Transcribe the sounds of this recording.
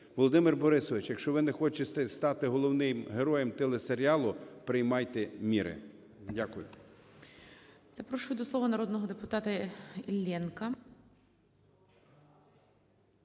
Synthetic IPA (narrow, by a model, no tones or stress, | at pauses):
ʋɔlˠɔd̪ɪmɪrbɔɾɪsɔʋɪt͡ʃjɐkʃt͡ʃɔʋɪnɛxɔt͡ʃet̪ɛst̪ɑt̪ɪɦɔlˠɔwnɪmɦeɾɔjɛmt̪ɛlˠeseɾʲiɑlˠʊpɾɪjmɑjt̪ɛmʲiɾʔɪ̰ | dʲakʊjʊ̰ | z̥ɐpɾɔʃʊjʊd̪ɔsˠɔʋɐnɐɾɔd̪nɔɦɔd̪epʊt̪ɑt̪ɐilʲːɛnkɐ